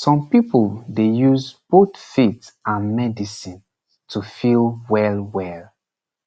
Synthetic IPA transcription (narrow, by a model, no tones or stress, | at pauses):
sɔ̃mpipuldejuzb̥otfitãnmɛdisĩn | tufilwɛlwɛl